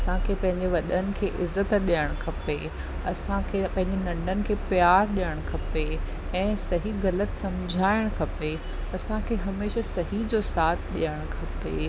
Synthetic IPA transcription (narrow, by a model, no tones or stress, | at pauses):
ɐsãkʰeːpɐ̃ɦɪ̃ɲd͡ʑeʋɐɗənɪ̆kʰeːʔɪzət̪ɗijəɽ̃kʰɐpe | ɐsãkʰeːpɐ̃ɦɪ̃ɲd͡ʑenɐ̃ɳɖʱənɪ̆kʰeːpjaːɾɗijəɽ̃kʰɐpe | ɛ̃ːsɐɦiɣɐlət̪sɐmd͡ʑʱaːɪɽ̃kʰɐpe | ɐsãkʰeːɦɐmeːʃasɐɦid͡ʑosaːt̪ʰɗijəɽ̃kʰɐpḛ